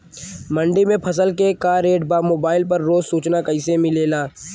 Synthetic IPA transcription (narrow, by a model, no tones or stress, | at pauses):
mɐ̃ɳɖimẽpʰɐs̬əlkekaːɾeːʈbaːmoːbaːɪlpɐɾːoːzsuːt͡ʃnakɐɪsemɪleːlaː